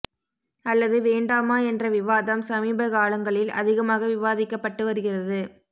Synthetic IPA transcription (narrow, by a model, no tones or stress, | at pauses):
ɐlːɐðɯʋeːɳɖaːmaːɛndrɐʋɪʋaːðɐmsɐmiːbɐɣaːɭɐŋɡɐɭɪlɐ̰ðɪɣɐmaːɣɐʋɪʋaːðɪkːɐpːɐʈːɯʋɐɾɯɣɪrɐðɯ